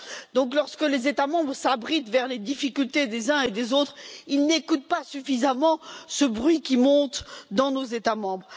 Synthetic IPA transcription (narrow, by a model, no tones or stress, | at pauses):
d̪ɔ̃klɔʁskəlezet̪amɑ̃bʁsabʁit̪vɛʁled̪ifikʲylt̪ed̪ezɛ̃ed̪ezot̪χilnekut̪̚pasyfizamɑ̃səbʁɥikʲimɔ̃t̪d̪ɑ̃nozet̪amɑ̃bʁ